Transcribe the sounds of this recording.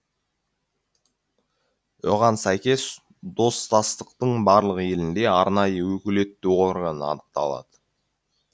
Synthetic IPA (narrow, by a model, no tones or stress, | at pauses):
o̰ʁɑnsæjkʲe̞s | d̪o̞st̪ɑst̪əq̚t̪əɴbɑɾlˠəqje̞lɪnd̪e̞ɑɾnɑjəwɵkʲɪle̞t̪ːuo̞ɾɡənɑ̰nəq̚t̪ɑ̰lˠɑ̰d̪̥ə